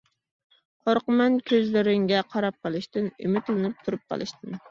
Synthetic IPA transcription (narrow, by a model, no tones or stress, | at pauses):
qʰoɾqəmɛnkʲʰøzlɪɾɪŋɡʲɛqʰɑɾɑp̚qʰəlˠɨʃt̪ɨny̰mɪt̪lɪnɪp̚t̪ʰuɾup̚qʰɑ̰lˠɨ̰ʃt̪ɨn